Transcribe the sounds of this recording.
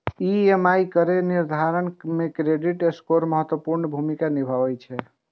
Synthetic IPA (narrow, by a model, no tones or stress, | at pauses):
iemajkəɾeniɾd̪ʱaɾənmekɾeɖiʈeskoɾməɦət̪wəpuɾnəbʱumikanibʱabɛt͡ʃʰɛ